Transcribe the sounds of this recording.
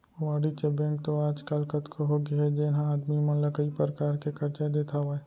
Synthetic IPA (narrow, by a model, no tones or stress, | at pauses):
ʋaːɽit͡ʃebɛ̃ːŋk̚t̪oaːd͡ʒkəlkət̪kʰoɦoɡeɦɛd͡ʒenãaːd̪mimɐləkɐipəɾəkaːɾkekʰɐɾt͡ʃad̪eːt̪ʰaʋaːe